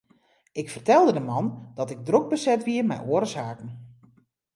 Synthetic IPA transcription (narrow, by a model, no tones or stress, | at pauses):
ɪkfərtɛlˠdədəmɑnd̥ɔtɪɡ̚droɡ̚bəsɛtʋiərmɛ̰jʔoəɾsaːkən̩